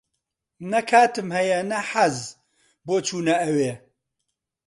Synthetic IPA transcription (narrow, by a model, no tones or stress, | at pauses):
nɐkʰaːt̪ɨmhɐjɐnɐħaz | boːt͡ʃʰuːnɐɐweː